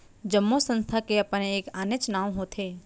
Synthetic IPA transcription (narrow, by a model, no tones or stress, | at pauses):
d͡ʒəmːosə̃nst̪ʰakeɐpəneeːkaːnet͡ʃnaːwɦoːt̪ʰeː